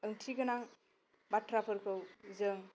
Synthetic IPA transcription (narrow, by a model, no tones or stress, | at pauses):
ɯŋtʰiɡɯnaŋ | batʰɾapʰɯɾkʰɯwzɯŋ